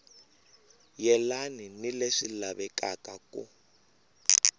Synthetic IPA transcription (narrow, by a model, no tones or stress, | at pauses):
jɛlaninileʂilaβɛkʼakʼakṵ